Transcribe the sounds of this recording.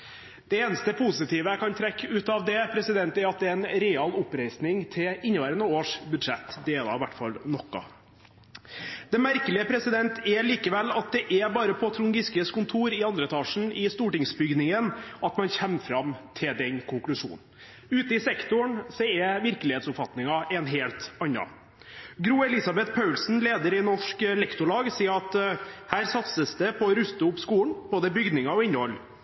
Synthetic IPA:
d̪̥ɛeːnəst̪əpʰʊsɪt̪ʰiːʋəkʰɑnt̪ʰɾɛkːəʉːt̪ɑʋd̪ɛpʰɾɛsɪd̪ɛnt̪æɾɑt̪̚d̪ɛɛnɾɛɪɑːlʊpɾæɪsnɪŋt̪ʰɪɪnːəʋæːɾənəoːʂbʉd̪ʂɛt̪ːd̪eːlɑ̰ɪʋæʈːfɑ̰lnɔkːɑ̰ | d̪̥ɛmæɾkəlɪəpʰɾɛsɪd̪ɛnt̪ʰæɭiːkəʋɛlːɑt̪̚d̪ɛʔæbɑːɾəpʰɔt̪ʰɾʊŋɡɪskəskʊnt̪ʰuːɾɪɑnd̪ɾət̪ʰɑːʂn̩ɪst̪uːʈɪŋsbʏɡnɪŋənɑt̪mɑnçɛmfɾɑmt̪ʰɪld̪ɛnkʰʊŋklʉʂṵːnn̩ | ʉːt̪əɪsɛkt̪ʊɳsɔɛʋɪɾkəlɪheːt̪sʊpfɑt̪nɪŋɑʔɛnɦeːlt̪ɑnːɑ̰ | ɡɾuːɛlɪsɑbɛt̪pʰɑʉlsn̩leːd̪əɾɪnɔʂkɛlɛkt̪ʊɭɑːɡsiːəɾɑt̪hæːɾsɑt̪səsd̪ɛpʰɔɾʉst̪əʊpskuːɳb̥oːd̪əbʏɡd̪nɪŋɑɔɪnːəhɔlː

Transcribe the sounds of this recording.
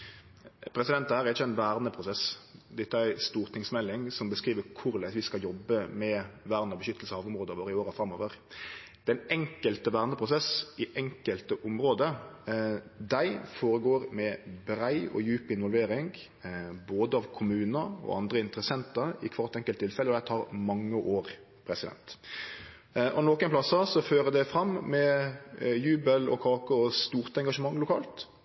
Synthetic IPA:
pʰɾɛsɪd̪ɛnt̪ːhæːɾɛɾɪt͡ʃːəɛɪnʋæːʁnəpʰɾʊsɛsd̪ɛt̪ːəæɾst̪uːʁt̪ɪŋsmɛlːɪŋsɔmbəskɾiːʋəkʰʊɾlæɪsʋɪskɑljɔbːəmɛʋæːʁnəbəʃʏt̪ːəlsəɑːʋʊmʁoːd̪əʋoːɾəɪoːɾəfɾɑmoːʋəɾ | d̪̥ɛnɛŋkəlt̪əʋæːʁnəpʰɾʊsɛsɪʔɛŋkəlt̪əʔʊmɾoːd̪ə | d̪æɪfoːɾəɡoːɾmɛbɾæɪɔ̰jʉːpɪnʋɔlʋeːɾɪŋɡ | boːd̪əɑʋkʰʊmʉːnəɔ̰ɑ̰nd̪ʁəɪnt̪əɾəsɛnt̪əɪkʰʋɑʁt̪ɛŋkəlt̪ʰːɪlfɛləɔd̪æɪt̪ʰɑːʁmɑŋːəʔoːʁ | pʰɾɛsɪd̪ɛ̰nt̪ | ʔɔnoːkənplɑsɑsɔføːʁəd̪æfɾɑmːɛ | jʉːbəlɔ̰kʰɑːkəɔst̪uːʁt̪ɛŋɡɑʂəmɑŋːlʊkʰɑ̰ːlt̪

